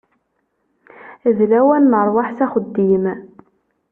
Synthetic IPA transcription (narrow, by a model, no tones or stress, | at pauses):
ðlæwænːəɾˤwaħsæχəd̪ːim